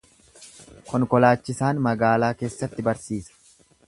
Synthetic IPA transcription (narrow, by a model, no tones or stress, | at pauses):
kɔŋkɔlaːt͡ʃːɪsaːnmɐɡaːlaːke̞ːsːɐt̪ːɪbɐɾsiːsɐ̥